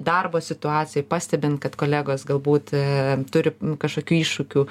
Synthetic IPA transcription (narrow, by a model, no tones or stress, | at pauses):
d̪ɐrboːsʲɪt̪ʊɑːt͡s̪ʲɪjɛpɑːsʲt̪ʲɛbʲɪnt̪kɐt̪koːlʲæːɡoːsɡɐlˠbuːt̪t̪ʊɾʲɪkɐʃkoːkʲuːiːʃʃʊkʲuː